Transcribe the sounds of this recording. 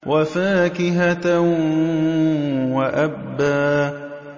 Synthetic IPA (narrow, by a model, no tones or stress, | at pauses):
wʔafaːkɪɦat̪ | waʔabːaː